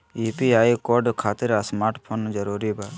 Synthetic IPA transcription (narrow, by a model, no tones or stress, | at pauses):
iːpiaːjkoɾɖkʰaːt̪ɪɾasmaːɾʈpʰond͡ʒəɾuːɾiba